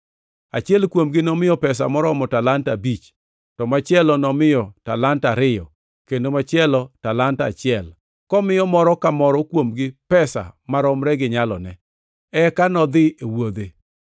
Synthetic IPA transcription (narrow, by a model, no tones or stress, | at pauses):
a̰t͡ʃɪɛlkwomɡɪnɔmɪjɔpɛsa̰mɔɾɔmɔtalantabit͡ʃ | tɔmat͡ʃɪɛlɔnɔmɪjɔtalantaɾɪjɔ̰ | kendomat͡ʃɪɛlɔtalanta̰t͡ʃɪɛl | kɔmɪjɔmɔɾɔkamɔɾɔkwomɡɪpɛsa̰maɾɔmɾɛɡɪɲalɔ̰nɛ | ɛkanɔd̪ɪewod̪e